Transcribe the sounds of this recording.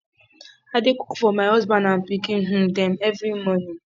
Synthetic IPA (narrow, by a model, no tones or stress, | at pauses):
adɪkʊ̥kfɔmaɪɔzbanam̩pikiŋ̩ɦ̩dɛmɛvɾimɔnĩm